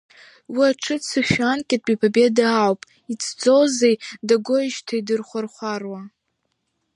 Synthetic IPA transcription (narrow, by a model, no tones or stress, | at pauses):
wiaʈ͡ʂʰɨt͡sʰɨʃᶣankʲʼatʼbʼipʰabe̞daawpʼ | it͡sʰd͡zo̞zejdaɡʷoʒtʰaidɨrχʷarχʷarwa